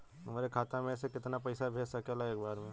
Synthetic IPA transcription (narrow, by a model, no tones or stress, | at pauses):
meːɾekʰaːt̪ãmẽs̬ekɪt̪nap̬ɐɪsabʱeːd͡ʒsɐkelaeːk̚baːɾmẽ